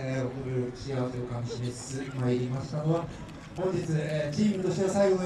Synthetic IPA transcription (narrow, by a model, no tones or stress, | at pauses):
eokoɾɯɾot͡ɕiaβase̞okãniɕimesi̥t͡sɨmaiɾʲimasɨ̥t̪ano | hõɲ̟d͡ʑit͡sɨeːt͡ɕiːmɯ̟t̪o̞ɕt̪easaiɡo̞no